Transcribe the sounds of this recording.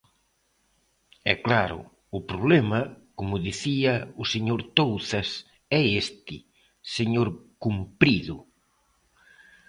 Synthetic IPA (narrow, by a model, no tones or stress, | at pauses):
ɛ̰klaɾʊ̰ | ʊpɾoβlemɐkomʊðiθiɐʊseɲoɾt̪owθɐs | ɛest̪ɪ̰ | seɲoɾkumpɾiðʊ